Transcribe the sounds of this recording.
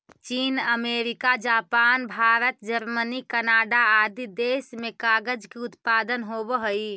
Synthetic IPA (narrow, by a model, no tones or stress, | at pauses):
t͡ʃiːnəmeːɾɪkad͡ʒaːpaːnbʱaːɾət̪d͡ʒəɾmənikənaːɖaaːd̪ʱid̪eːʃmẽkaːɡəd͡ʒkiʊt̪paːd̪ənɦoːbɦoi